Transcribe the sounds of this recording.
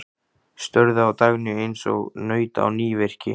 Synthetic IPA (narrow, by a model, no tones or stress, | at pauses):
st̪œɾðʏawt̪aɣnʏejnsɔ̰ɣnœːɥt̪a̰wniːvɛr̥cɪ̰